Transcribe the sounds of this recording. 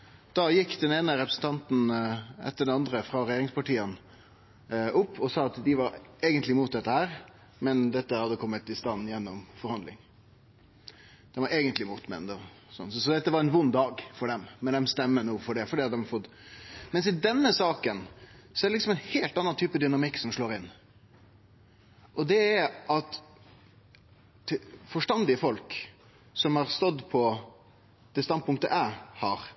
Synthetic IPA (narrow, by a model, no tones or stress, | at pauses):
d̪̥ɑjɪkːd̪ɛneːnəɾɛpɾəsn̩t̪ʰɑnt̪n̩ɛ̰t̪ːəɖɛnɑnd̪ɾəfɾɑɾɛjeːɾɪŋspɑʈiːən | ʔʊpːɔsɑːɑt̪d̪ɪʋɑɾeːɡənt̪lɪmuːt̪̚d̪ɛt̪ːəhæːɾ | mɛnd̪ɛt̪ːəhɑd̪ːəkʰɔmːət̪ɪst̪ɑnːjɛnːɔmfɔɾhɑnd̪lɪ̰ŋ | d̪̥ɛnʋɑɾeːɡənt̪lɪmuːt̪mɛ̰nd̪ɛ | sɔ̰nːsɔsɔd̪ɛt̪ːəʋɑɾɛnʋʊnd̪ɑːɡfɔɖɛmːɛnd̪ɛmst̪ɛmːənuːfɔɖɛfɔɖiːɑt̪̚d̪ɛmɑfɔt̪ | mɛnsɪd̪ɛnːəsɑːkənsɔɛdɾɛlɪksɔmɛɪnheːlt̪ɑnːɑnt̪ʰyːpəd̪ʏnɑmɪkːsɔmʂɭoːɾɪnː | ʔɔd̪ɛæɾʔɑt̪ | fɔʂʈɑnd̪ɪəfɔlk | sɔmhɑɾst̪ɔd̪pʰɔ | d̪̥ɛst̪ɑnd̪̚pʰʊŋkt̪əʔæɪhɑɾ